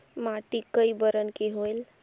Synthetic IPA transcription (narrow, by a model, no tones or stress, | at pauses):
maʈikəjbəɾənkeɦojl